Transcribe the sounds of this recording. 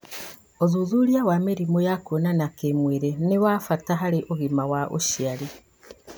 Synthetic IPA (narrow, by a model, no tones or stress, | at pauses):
ozuzuɾjawamiɾimojakonanakemweɾenewaːfataɦaɾiʔoɣimawaʔo̰ʃiali